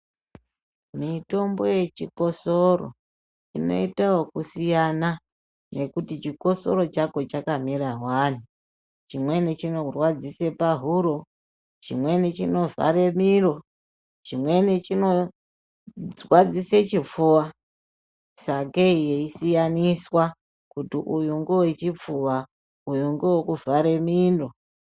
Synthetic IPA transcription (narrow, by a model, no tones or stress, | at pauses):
mito̞mbo̞je̞t͡ʃiko̞so̞ro̰ | ino̞̰itawokusijana | ne̞kutit͡ʃiko̞so̞ɾo̞t͡ʃako̞t͡ʃakamiɾawan̤u | t͡ʃimwe̞net͡ʃinorwad͡zise̞paɦuɾo | t͡ʃḭmwe̞net͡ʃino̞va̰ɾe̞miɾo̞ | t͡ʃimwe̞net͡ʃino̞ | wad͡zise̞t͡ʃip͡fuwa | sakeijeisijaniswa | kutiʔujuŋɡewet͡ʃip͡fuwa | ujuŋɡewekuvaɾe̞mindo̞